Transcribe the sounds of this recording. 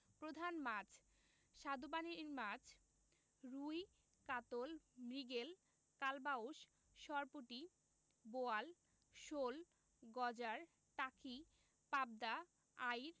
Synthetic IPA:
pɾod̪ʱanmad͡ʑʰ | ʃad̪obaneɾmad͡ʑʰ | ɾuj | kat̪olmɾiɡel | kalbaoʃ | ʃɔɾpoʈi | boal | ʃol | ɡɔd͡ʑaɾ | ʈakʰi | pab̚d̪a | ajɾ

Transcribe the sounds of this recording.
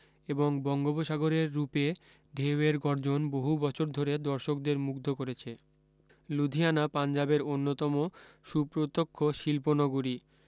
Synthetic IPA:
eboŋbɔŋɡoboʃaɡoɾeɾːupe | ɖʱeoeɾɡɔɾd͡ʑonboɦubɔt͡ɕʰoɾd̪ʱoɾed̪ɔɾʃokd̪eɾmuɡd̪ʱokoɾet͡ɕʰe | lud̪ʱianapand͡ʑabeɾonːot̪ɔmoʃupɾot̪okʰːoʃilponoɡuɾi

